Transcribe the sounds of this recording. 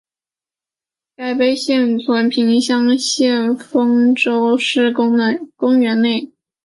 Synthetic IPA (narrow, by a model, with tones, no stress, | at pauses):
ka˥˩ɪpe˥ɪɕjɛ˥˩nt͡sʰwə˧˥npʰi˧˥ŋɕjɑ˥ŋɕjɛ˥˩nfɤ˥ŋʈ͡ʂo˥ʊʂɻ̩˥˩˥ŋ˧kʊ˥ŋɥɛ˧˥nne˥˩ɪ